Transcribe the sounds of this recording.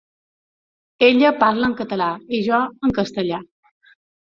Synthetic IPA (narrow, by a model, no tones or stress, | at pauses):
eljəpaɾləŋkət̪əlaeʑaəŋkəst̪əlja